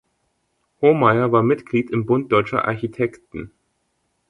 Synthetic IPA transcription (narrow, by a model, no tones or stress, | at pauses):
homaɪɐvaːɐmɪtɡ̥liːtɪmbʊnt̚d̥ɔʏt͡ʃɐ̰ʔa̰ɐçitʰɛktn̩